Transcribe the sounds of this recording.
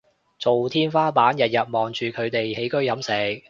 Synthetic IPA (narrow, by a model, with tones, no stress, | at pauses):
t͡so˨wt̪ʰiː˥nfaː˥paː˨˥njɐ˨t̚jɐ˨t̚mɔː˨˩ŋt͡ʃyː˨kʰɵ˨˧ɥt̪e˨jhe˨˥jkɵ˥ɥjɐ˨˥msɛː˨˩k̚